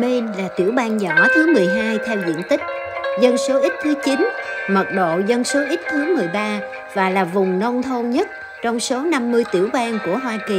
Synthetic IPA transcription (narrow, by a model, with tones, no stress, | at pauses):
me˧nlaː˨˩t̪ḭ˧˩əwɓaː˧nzaː˨˩ɓaː˨˦jt̪ʰɨ˨˦mɨ˨˩əjɦaː˧jt̪ʰɛ˧wzḭ˧˨ənt̪ï˦˥k̟̚ | zə˧nso˨˦ʔi˦˥t̚t̪ʰɨ˨˦t͡ɕi˨˦nmə˨˩t̚ɗo̰˧˨zə˧nso˨˦ʔi˦˥t̚t̪ʰɨ˨˦mɨ˨˩əjɓaː˧ | vaː˨˩laː˨˩vʊ˨˩ŋ͡mnə˧wŋ͡mt̪ʰə˧nɲə˦˥t̚ | t͡ɕɔ˧wŋ͡mso˨˦na˧mːɨ˧əjt̪ḭ˧˩əwɓaː˧nku˧˩əɦwaː˧ki˨˩